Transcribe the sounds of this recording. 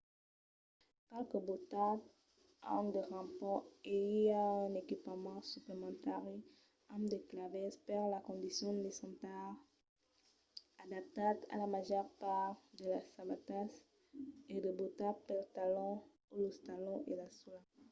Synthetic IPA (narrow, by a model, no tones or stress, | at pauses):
palkəbot̪at | ɑ̰̃d̪əʁɑ̃pɔeiãnekipamɑ̃syplemɑ̃t̪aʁe | ãmd̪əklavɛspaʁlakɔ̃nd̪isjɔ̃lesɑ̃t̪aʁ | ad̪ap̚t̪at̪a̰lamaʒœʁpaʁd̪əlasabat̪as | ed̪əbot̪apɛlt̪alɔ̃ | oləst̪alɔ̃ʔelasula